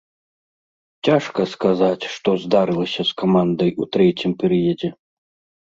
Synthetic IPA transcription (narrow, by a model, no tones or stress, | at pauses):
t͡sʲaʂkɐskazat͡sʲʂt̪ɔzd̪aɾɨlˠɐsʲɐskamand̪ɐjʔut̪ɾɛt͡sʲimpʲɛɾɨjɐd͡zʲɛ